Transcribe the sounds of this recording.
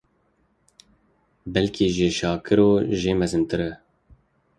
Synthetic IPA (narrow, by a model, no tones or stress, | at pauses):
bɛlkʰiːʒeːʃɑːkʰɨɾoːʒeːmɛzɨnt̪ɨɾɛ